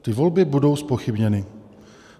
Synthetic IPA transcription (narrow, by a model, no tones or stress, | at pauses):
t̪ɪvo̞lbɪbudo̞wspo̞xɪbɲɛnɪ